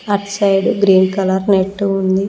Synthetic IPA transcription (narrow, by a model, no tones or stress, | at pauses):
ɐɾʈsɐjɖɡɾiːnkɐlɐɾneʈːuund̪i